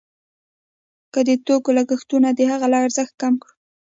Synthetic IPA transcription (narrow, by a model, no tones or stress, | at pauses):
kəd̪ət̪okolaɡəxt̪unad̪əhaɣalɑaɾzəxt̪̚kamkɽ